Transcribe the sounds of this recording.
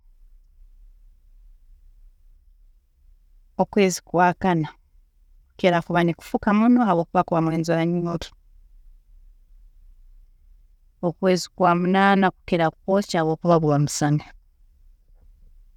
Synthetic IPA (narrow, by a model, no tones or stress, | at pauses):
o̞kwe̞ːzi̥kwaːkana | kukeɾakuβaniku̥fukamunoaβo̞ːkuβakuβamweːnzoɾaɲiŋotu̥ | okwe̞ːzikwamunaːnaku̥keɾaku̥po̞caaβwo̞ːkuβaβwamusane